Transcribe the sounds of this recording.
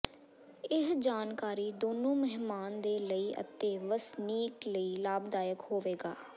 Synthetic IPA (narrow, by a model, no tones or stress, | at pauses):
ɪɦd͡ʒaːnkaːɾiːd̪oːnũːməɦmaːnd̪eːləiːʔə̰t̪ːeːʋəsniːkləiːlaːbd̪aːjəkhoːʋeːɡaː